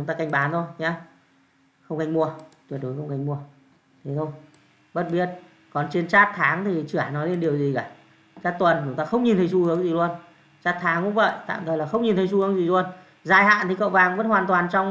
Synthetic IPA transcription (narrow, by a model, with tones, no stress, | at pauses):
t͡ɕʊ˨˦ŋ͡mt̪aː˧ka˧jŋ̟ɓaː˨˦nt̪ʰo˧jɲaː˨˧ | xə˧wŋ͡mka˧jŋ̟mu˧ət̪wi˨˩t̚ɗu˨˦jxə˧wŋ͡mka˨˧jŋ̟mu˧ə | t̪ʰe˨˦t̪ʰo˧j | ɓə˨˦˩t̚ɓi˧˩ət̚ | kɔ˨˩nt͡ɕi˨˦ənt͡ɕaː˦˥t̚t̪ʰaː˨˦ŋt̪ʰi˨˩t͡ɕɨ˧˩ə˩˨nɔ˨˦le˧nɗi˨˩əwzi˨˩kaː˨˩ | t͡ɕaː˦˥t̚t̪wə˨˩nt͡ɕʊ˨˦ŋ͡mt̪aː˧xə˧wŋ͡mɲi˨˩t̪ʰə˨˦jsu˧hɨ˨˦əŋzi˨˩lu˧ən | t͡ɕaː˦˥t̚t̪ʰaː˨˦ŋkʊ̰˧˥ŋ͡mvə̰˧˨jt̪a̰ː˧˨mt̪ʰə˨˩laː˨˩xə˧wŋ͡mɲi˨˩nt̪ʰə˨˦js̬u˧hɨ˨˦ə˦ŋzi˨˩lu˧ən | zaː˧˩jha̰ː˧˨nt̪ʰi˨˩kə̰˧˨wvaː˨˩ŋvə̰˧˥nhwaː˨˩nt̪waː˨˩nt͡ɕɔ˧wŋ͡m